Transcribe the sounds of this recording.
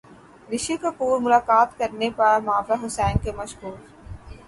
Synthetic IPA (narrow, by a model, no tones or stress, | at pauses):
ɾɪʃikapuːɾmʊlaːkaːt̪kɐɾnepɐɽamaːbaɦʊsɛːnkemɐʃɦuːɾ